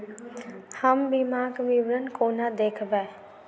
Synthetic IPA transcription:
həmbimaːɡmiʋɾənkoːnad̪eːkʰbɛː

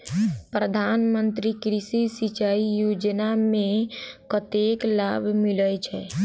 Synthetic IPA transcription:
pɾəd̪ʱanmənt̪ɾikɾisisit͡ʃaijod͡ʒnamẽkət̪eklabʱmilət͡ʃʰɛ

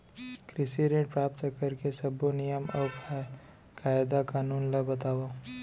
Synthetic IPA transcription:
kɾɪsiɾẽːʈ̚pɾaːpt̪kɐɾkesɐbonijəmɔːkʰa | kaːɪd̪akaːnuːnlabɐt̪aːʋo

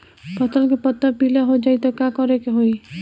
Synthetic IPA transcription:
pɔt̪əlkepɔt̪ːəpilaɦod͡ʒait̪ɔkakɔɾekeɦoi

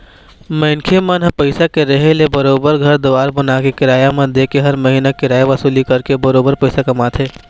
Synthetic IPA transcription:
mɐɪnkʰemənɦpɐɪsakeɾɐɦelebɐɾoːbəɾɡʱɐɾd̪ʊʋaːɾbɐnaːkekɪɾaːjamẽd̪eːkeɦɐɾmɐɦiːnakɪɾaːjaʋɐsuːlikɐɾkebɐɾoːbəɾpɐɪsakɐmaːt̪ʰɦeː

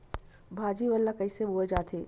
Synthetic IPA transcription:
bʱaːd͡ʒiʋəlːakɐiseboːed͡ʒaːt̪ʰeː

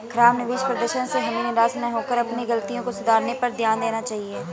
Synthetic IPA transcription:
kʰɾaːmnɪʋiːʃpɾəd̪əʃənseɦəmiːnɪɾaːsnɛ̃ɦoːkəɾəpniɡəlt̪ijõkosʊd̪aːɾnepəɾd̪ʱjaːnd̪eːnaːt͡ʃaːɦieː

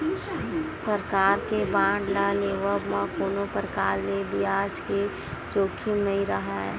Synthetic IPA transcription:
səɾkaːɾkebãːɖlaleʋəmãkoːnopəɾkaːɾlebiad͡ʒke | d͡ʒoːkʰimnəĩɾəɦaɛ

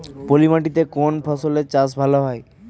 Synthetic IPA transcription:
polimaʈit̪ekonpʰɔsoleɾt͡ɕas̬bʱaloɦɔe

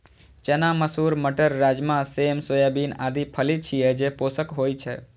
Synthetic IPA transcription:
t͡ʃənaməsuɾməʈəɾːad͡ʒmãsemsojabinad̪ipʰəlit͡ʃʰijed͡ʒeposəkɦojt͡ʃʰe

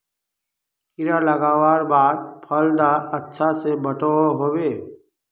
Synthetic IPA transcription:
kɪɾaləɡaːwaːɾbaːd̪̚pʰəld̪aətːʃʰasebəʈooɦoːweː

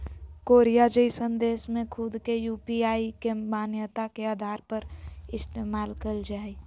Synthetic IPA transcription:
koːɾijad͡ʒəisə̃nd̪eːsmẽkʰʊd̪kejuːpiaːikemaːnjət̪akeaːd̪ʱaːɾpəɾɪst̪eːmaːlkəld͡ʒaːi

